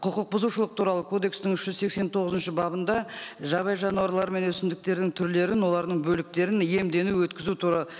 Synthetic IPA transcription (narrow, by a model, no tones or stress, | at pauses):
qʰʊqəq̚bʊzuʃəlˠəq̚t̪ʰuɾɑlˠəkʰo̞d̪e̞kst̪ɪŋɪʃʒ̥ʏzse̞kse̞nt̪ʰo̞ʁəzənʃɪbɑbənd̪ɑʒɑbɑjʒɑnuɑɾlˠɑɾme̞nwɵsɪnd̪ɪk̚t̪e̞ɾd̪ɪŋt̪ʰʏɾle̞ɾɪnwo̞lˠɑɾd̪əɴbɵlɪk̚t̪e̞ɾɪnje̞md̪e̞nuwɵt̪kʲɪzut̪ʰuɾɑlˠə